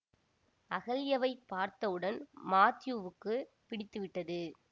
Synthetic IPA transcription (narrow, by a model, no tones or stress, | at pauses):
ɐɣɐlɪjɐʋɐɪpːaːɾt̪ɐʋɯɽɐnmaːt̪ɪjuʋɯkːɯ | pɪɽɪt̪ːɯʋɪʈːɐðɯ